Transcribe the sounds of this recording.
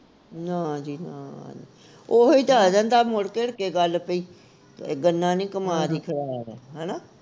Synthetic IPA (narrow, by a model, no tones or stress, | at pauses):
nãːd͡ʒiːnã̰ːd͡ʒiː | oːɦiːt̪aːd͡ʒəːnd̪aːmʊɽkeɽkeːɡəlpiː | ɡənːãːnĩːkəmaːd̪iːkʰəɽaːɾɛːɦɛːnaː